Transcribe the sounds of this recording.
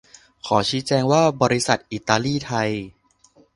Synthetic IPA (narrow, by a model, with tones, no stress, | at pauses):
kʰɔː˩˦t͡ɕʰiː˨˦˥t͡ɕɛː˧ŋwaː˥˩bɔː˧ɾi˦˥sa˨˩t̪̚ʔiː˨˩t̪aː˧liː˥˩t̪ʰa˧j